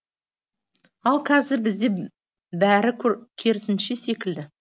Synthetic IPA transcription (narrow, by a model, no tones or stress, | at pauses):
ɑlˠkʲʰæzɪɾbɪzd̪e̞ | bæɾɪkʲʰkʲʰe̞ɾɪsɪnʃe̞se̞kʲɪld̪ɪ